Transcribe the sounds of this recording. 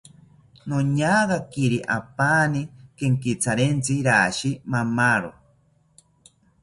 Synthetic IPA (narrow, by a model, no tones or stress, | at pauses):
noɲaːɣakiɾiʔapaːnikeŋkit͡sʰaɾent͡siɾaːʃimamaɾo̰